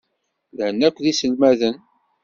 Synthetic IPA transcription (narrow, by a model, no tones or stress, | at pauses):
ðhənːækʷːðisəlmæðən